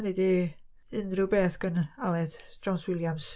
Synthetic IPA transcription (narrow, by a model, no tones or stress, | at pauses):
nidi | ɨnrɨbeːθɡ̥ənalɛdd͡ʒ̥ɔnswɪlˠjams